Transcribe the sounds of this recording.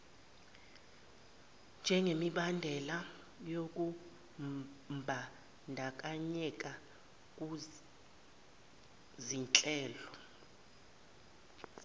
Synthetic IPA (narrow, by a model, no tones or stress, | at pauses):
nd͡ʒʱɛŋɡʱemiɓandʱɛla | jok̬ʼu | mmbʱa | ndʱakʼaɲɛk̬ʼa | kʼu | zint͡ɬʼɛːlɔ